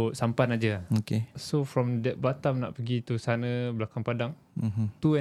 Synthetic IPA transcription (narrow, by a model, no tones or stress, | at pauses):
sampanad͡ʒəokesofɾɔmdɛt̚bat̪amna̰ʔpəɡit̪usanəblakaŋpadaŋ̩ | ɦt̪uɛ